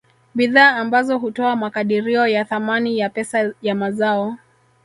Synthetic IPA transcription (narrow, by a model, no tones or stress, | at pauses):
ɓiðaːmbazɔɦutɔamakaɗiɾiɔjaθamanijapɛsajamazaɔ